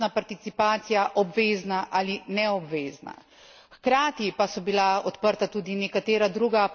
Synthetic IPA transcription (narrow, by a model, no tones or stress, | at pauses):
napaɾt̪it̪sipaːt̪sijaʔɔbʋeːznaʔaːlinɛɔbʋeːzna̰ | xkɾaːt̪ipasɔbilaɔt̪pəɾt̪at̪uːd̪inɛkat̪eːɾad̪ɾuːɡa